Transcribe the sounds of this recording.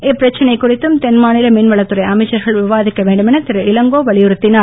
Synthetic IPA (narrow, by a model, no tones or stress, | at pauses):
ɪpːɪɾɐt͡ʃːɐnɐɪkːʊrɪt̪ːɯmt̪ɛnmaːnɪlɐmɪnʋɐɭɐt̪ːɯɾɐɪʔɐmɐɪt͡ʃːɐɾɣɐɭʋɪʋaːðɪkːɐʋeːɳɖɯmɛnɐt̪ɪɾɯʔɪlɐŋɡoːʋɐɭɪjɯɾɯt̪ːɪnaː